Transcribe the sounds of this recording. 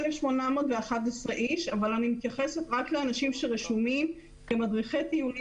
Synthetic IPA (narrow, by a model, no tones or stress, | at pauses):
lefʃmo̞namoːdveaχatesʁeʔiʃavalanimit̪jaχe̞se̞t̪ʁakleanaʃimʃeʁeʃumim | kemadʁiχet̪ijul